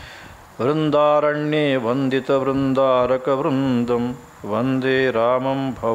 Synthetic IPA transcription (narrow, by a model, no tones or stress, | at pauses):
ʋɾɪnd̪aːɾɐɳjeːʋɐnd̪it̪ɐʋɾɪnd̪aːɾɐkɐʋɾund̪ɐm | ʋɐnd̪eːɾaːmɐmbʱɐ